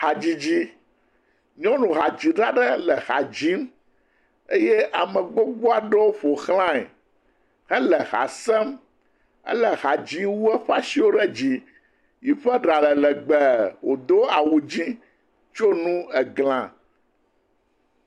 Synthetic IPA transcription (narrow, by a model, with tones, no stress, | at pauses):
ha˨d͡ʑi˦d͡ʑi˦ | ɲɔ̃˦nũ˨xa˨d͡ʑi˨ɖɾa˦ɖɛ˦lɛ˨xa˨d͡ʑi˦m | e˦je˦ʔa˨mɛ̃˨ɡ͡bo˦ɡ͡bo˦a˨ɖɛ˦wo˦ɸo˨xlã˦ɛ̰˨ | xɛ˦lɛ˨xa̰˨sɛ˦m | ɛ̰˦lɛ˨ɣa˨d͡ʑi˦wu˦ɛ˦ɸa˦si˦wo˦ɖɛ˦d͡ʑi˦ | ji˨ɸɛ˦ɖa˨lɛ˨lɛ˨ɡ͡bɛ˨wo˨d̪o˦a˨wu˨d͡ʑĩ˦ | t͡ʃo˦nũ˦ɛ˨ɡl̃ã˨